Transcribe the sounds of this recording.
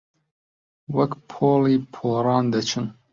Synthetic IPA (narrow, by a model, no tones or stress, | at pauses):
wɐkpʰoːliːpʰoːɾɑːnd̪ɐt͡ʃʰɨn